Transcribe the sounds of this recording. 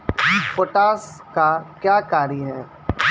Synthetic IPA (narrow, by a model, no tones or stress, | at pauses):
poʈaːskakjaːkaːɾiɦɛː